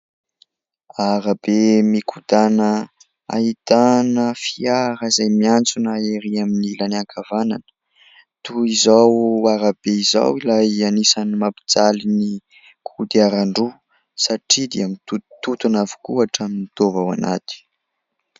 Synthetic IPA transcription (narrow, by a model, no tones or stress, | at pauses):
aɾəbemikʰud̪anə | a̰it̪anəfiaɾazajmiant͡sunaeɾiaminilaniaŋkʰavananə̥ | t̪uizawaɾabeiza̰wilajanisanimapi̥d͡zalini | kʰud̪iaɾaɳɖ͡ʐu | saʈ͡ʂid̪eamint̪ut̪ut̪unavu̥kuaʈ͡ʂaminid̪̥ovawa̰na̰t̪i̥